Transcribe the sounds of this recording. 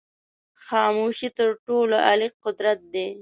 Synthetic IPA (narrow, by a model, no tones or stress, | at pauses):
xɑːmuʃit̪əɾʈoloʔa̰liqʊd̪ɾat̪̚d̪e